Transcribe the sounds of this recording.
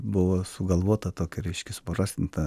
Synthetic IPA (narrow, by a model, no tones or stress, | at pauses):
bʊʋoːsʊɡɐlˠʋoːt̪ɐt̪oːkʲɛɾʲɛɪʃʲkʲɛsʊ̥prɑːsʲt̪ʲɪnt̪ɐ